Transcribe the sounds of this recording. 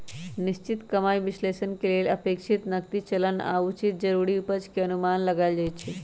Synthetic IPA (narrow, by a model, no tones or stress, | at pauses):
nist͡ʃit̪kəmaːjbislesənkeleləpeːkʃʰit̪nək̚t̪it͡ʃələna̰ut͡ʃit̪̚d͡ʒəɾuɾiupəd͡ʒkeənumanləɡaɪld͡ʒaj̪t͡ʃʰi